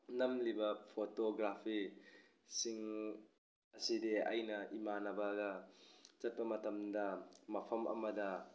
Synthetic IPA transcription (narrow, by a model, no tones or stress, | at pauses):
nɐmlibɐpʰotoɡɾapʰi | siŋ | ɐsidea̰jnɐʔimanɐbaɡɐt͡ʃɐt̚pɐmɐtɐmdɐmɐpʰɐmʔɐ̰mɐdɐ